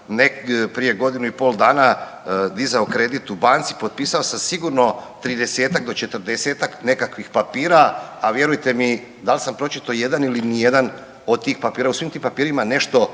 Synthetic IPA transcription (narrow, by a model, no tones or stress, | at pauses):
nepɾije̞ɡo̞d̪inuipo̞lˠd̪aːna | d̪izaokɾe̞d̪it̪ubaːnt̪si̥po̞t̪̚piːsao̞samsiɡuɾno̞t̪ɾid̪e̞se̞ːt̪akd̪o̞t͡ʃe̞t̪əɾd̪eseːt̪akne̞kakʋixpapiːɾaːʋje̞ɾujt̪e̞mi | d̪alsampɾo̞t͡ʃit̪oje̞d̪anilinije̞d̪an | o̞d̪̚t̪iːxpapiːɾausʋiːmt̪impapiːɾimane̞ʃt̪o̞